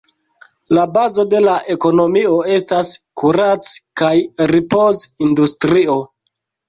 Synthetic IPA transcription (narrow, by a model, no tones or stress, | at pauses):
labazo̞de̞laʔe̞ko̞no̞mio̞e̞staskuɾat͡skajɾipo̞zindustɾio̞